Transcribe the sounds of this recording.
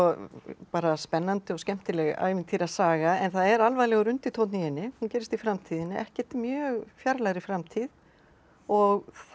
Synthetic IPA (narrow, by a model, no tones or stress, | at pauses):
ɔpaːɾaspɛnːant̪ɪɔɣscɛm̥t̪ɪlɛɣa̰ːjvɪnt̪ʰiɾaðsaːɣaɛnθaðɛɾalvajðlɛɣʏɾʏnt̪it̪ʰowt̪nijɪnːɪhuncɛːɾɪst̪ifɾamt̪ʰiːðɪnːɪʔɛhcɛt̪mjœːɣfjaɾlaɣɾɪfɾamt̪ʰið | ɔɣθ